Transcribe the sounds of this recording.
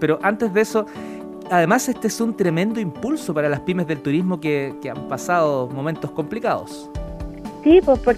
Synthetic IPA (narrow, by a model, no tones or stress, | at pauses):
peɾoʔant̪e̞zðeso | aðe̞masest̪eesunt̪ɾe̞mẽ̞nd̪oimpulsopaɾalaspime̞zðe̞lt̪uɾizmokekeampasaðomomẽ̞nt̪osko̞mplikaðo̰s | sipopoɾ